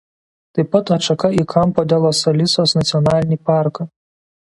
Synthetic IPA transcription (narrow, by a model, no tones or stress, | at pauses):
t̪ɨjpɐt̪ɐt͡ʃɐkaikʰampɔd̪ʲɛlˠɔsɐlʲisɔsnɐt̪sʲijɔnalʲnʲiparkɐ